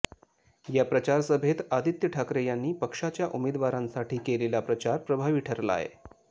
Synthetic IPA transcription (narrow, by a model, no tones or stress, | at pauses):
japɾət͡ɕaɾsəbʱet̪ad̪it̪jəʈʰakɾejanːiːpəkʂat͡ɕjaʔumed̪ʋaɾãnsaʈiːkelelapɾət͡ɕaɾpɾəbʱaʋiːʈʰəɾla̰ɦḛ